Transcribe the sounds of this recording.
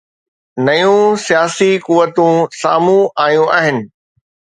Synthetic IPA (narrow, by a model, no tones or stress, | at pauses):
nɐjũsijaːsikuʋət̪ũsaːmũaːjũʔaːɦɪnɪ̆